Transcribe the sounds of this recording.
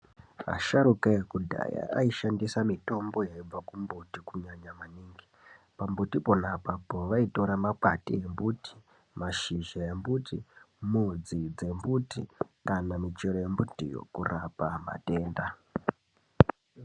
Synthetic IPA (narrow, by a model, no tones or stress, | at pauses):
a̰ʃaɾukajekudʱa̰ja̰a̰iʃandisamito̞mbo̞jaib͡vakumbutikuɲaɲamaniːŋɡi | pambutipo̞napapoʋaito̞ɾamakatijembuti̥ | maʃiʒajembutʰi | mud͡zid͡ze̞mbutikanamit͡ʃeɾojembutḭjo̞̰kurapama̰te̞ːnda